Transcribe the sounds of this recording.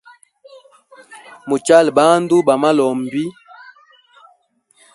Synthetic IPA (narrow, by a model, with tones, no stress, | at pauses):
mo˨t͡ʃa˦˨lba˦ndu˦ba˨ma˦lɔ˨m˨bi˦